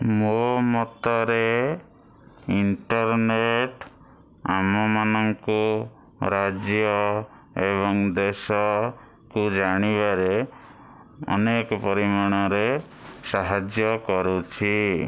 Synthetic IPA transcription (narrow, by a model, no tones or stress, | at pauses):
momɔt̪ɔɾe | iɳʈɔɾneʈ | a̰mɔmanɔŋku | ɾad͡ʒjɔ | eβɔŋd̪esɔ | kud͡ʒaɽ̃iβaɾe | ɔ̰nekɔpɔɾimaɽ̃ɔɾe | saɦad͡ʒjɔkɔɾut͡ʃʰi